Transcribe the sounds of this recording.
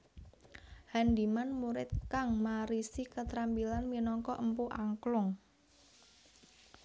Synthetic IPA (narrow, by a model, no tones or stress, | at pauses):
handimanmuɾɪt̪̚kaŋmaɾisikət̪ɾampilanminɔŋkɔʔəmpuʔaŋklʊŋ